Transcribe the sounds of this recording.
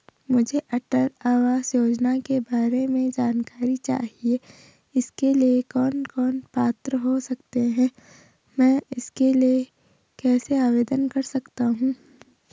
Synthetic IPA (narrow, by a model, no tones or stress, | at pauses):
mʊd͡ʒʱeʔɐʈəɾaːʋaːzjoːd͡ʒnakebaːɾemẽd͡ʒaːnkaːɾit͡ʃa̰ːɦie | ɪskeliekɔːnkɔːnpaːt̪ɾəɦosɐk̚t̪eɦɛ̃ː | mɛ̃ːɪskelie | kɛːseaːʋeːd̪ənkɐɾsɐkt̪aɦũː